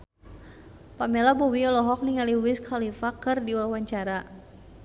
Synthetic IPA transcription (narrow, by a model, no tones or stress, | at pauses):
pamɛlabowiɔlɔɦɔk̚niŋaliwɪskʰalifakɨrdiwawaɲt͡ʃaɾa